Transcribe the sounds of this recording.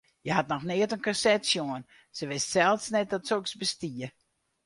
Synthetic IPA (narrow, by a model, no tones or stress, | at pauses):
jəɦatnɔxnɪətənkasɛtsjoən | səʋɪstsɛlˠsnɛt̚dɔtsoksbəstiə